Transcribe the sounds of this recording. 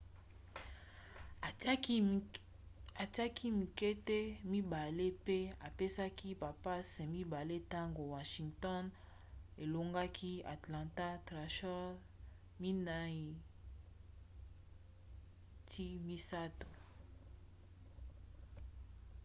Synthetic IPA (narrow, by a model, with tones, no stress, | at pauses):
a˨ta˦kʰi˦mi˨kɛ˦te˦mi˦ba˨le˦pe˦a˨pe˦sa˦ki˦ba˨pa˦se˨mi˦ba˨le˦ta˦ŋɡo˨wa˨ʃi˨ŋtɔ˦n | e˨lo˨ŋɡa˦kʰi˦a̰˨tlã˨nta˦tʁa˨ʃɔ˦ | mi˦na˦i˨ | tʰi˦mi˦sa˦to̥˨